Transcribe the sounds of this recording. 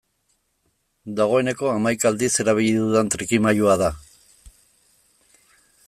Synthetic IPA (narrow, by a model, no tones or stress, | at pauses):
d̪aɣ̞o̞e̞ne̞ko̞amajkaːld̪ise̞ɾaβ̞iʎiðuðent̪ɾikimajuaða